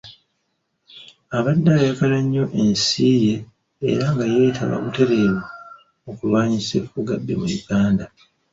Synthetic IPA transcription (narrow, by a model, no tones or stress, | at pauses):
aβadːaajakalaɲːo̞ʔensiːje̞̰ː | ɾaŋɡaje̞ːtʰa̰βa̰βute̞ɾe̞ːβo | okulwaːɲisefuɡadːe̞̰muɾiɡaːnda